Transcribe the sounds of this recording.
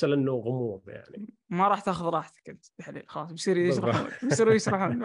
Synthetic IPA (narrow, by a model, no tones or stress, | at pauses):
alanːuɣʊmuːbja̰ʕnimaɾˤɑːħt̪aːxʊðɾˤɑːħt̪ḁkʔɪnt̪t̪aħlḭːlxɑlɑːsˤbsˤiːɾjɪʃɾˤɑħṵːnbsiːɾujɪʃɾˤɑħuːn